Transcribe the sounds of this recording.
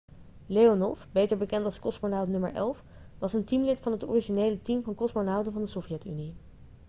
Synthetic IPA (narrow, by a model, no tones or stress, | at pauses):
lejonɔ̰fbejtəɹbəkɛntɑlˠskɔsmonawdnɵmə̰ɹʔɛ̰lˠf | ʋɑsəntimlɪtfɑnɦətɔ̰riʒinejlətimvɑnkɔsmonawdəvɑndəsɔfjɛty̰ni